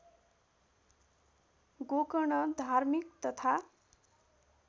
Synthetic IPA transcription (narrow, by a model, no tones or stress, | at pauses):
ɡokʌɳʌd̪ʱarmikt̪ʌt̪ʰa